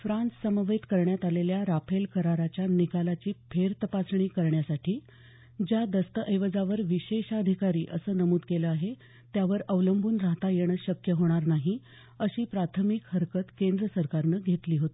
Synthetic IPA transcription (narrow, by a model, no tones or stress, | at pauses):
fɾãnt͡ssəməʋet̪kəɾɳjat̪aleljaɾapʰelkəɾaɾat͡ɕjanikalat͡ɕiːpʰeɾt̪əpasɳ̃iːkəɾɳjasaʈʰiː | d͡ʑjad̪əst̪əʔəjʋəd͡zaʋəɾʋiɕeɕəd̪ʱikaɾiːʔəsəːnəmuːd̪keləaɦe | t̪jaʋəɾəʋləmbʱuːnɾaɦt̪ajeɽ̃əɕəkjəɦoɽ̃aɾnaɦi | əɕiːpɾat̪ʰəmikhəɾkət̪kend̪ɾəsəɾkaɾnəːɡʱet̪liːɦot̪i̥ː